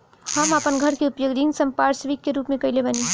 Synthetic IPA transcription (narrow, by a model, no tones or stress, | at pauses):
həməpənɡʱəɾkeupjoɡɾiŋɡsəmpaɾsʋikːeɾupmẽkəilebəni